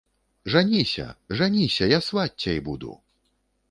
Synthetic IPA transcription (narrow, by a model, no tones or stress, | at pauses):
ʐanʲisʲɐ̰ʐanʲisʲɐjasvatʲːɐjbud̪ṵ